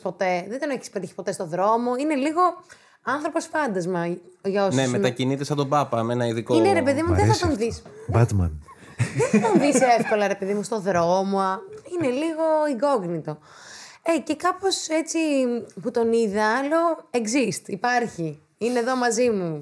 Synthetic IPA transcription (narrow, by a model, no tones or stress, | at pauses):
po̞t̪e̞ðend̪oneçi̥spet̪içi̥po̞t̪e̞st̪oðɾo̞mo̞ine̞liɣo̞ | ɐnθɾopo̞sfɐnd̪ɐzmɐʝɐosnemeɐcinit̪esɐt̪o̞bɐpɐmenɐiðikoineɾepeðimuðeθɐt̪onðisbɐt̪mɐ̰n | ðeθt̪onðisefko̞lɐɾe̞pe̞ðimust̪o̞ðɾo̞moɐineliɣo̞iɡo̞ɣnit̪o̞ | ece̞kɐpo̞set͡siput̪o̞niðɐɐlo̞ekzist̪ipɐɾçi | ine̞ðo̞mɐzimu